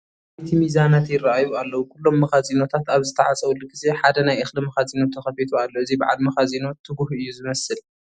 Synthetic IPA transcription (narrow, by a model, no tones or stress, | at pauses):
ajt̪ʰimizanat̪jɪraʔajualːɐwukʰulːo̞mːɐxazino̞t̪ʰat̪aβzɨt̪ʰɐʕat͡sʼɐwlɨɡɨzeħad̪ɐnajʔɨxlɨmɐxazino̞t̪ʰɐxɐfit̪ʰualːo̞ʔɨzibɨʕa̰lmɐxazino̞t̪ʰɨɡuhɨjːuzɨmɐsɨl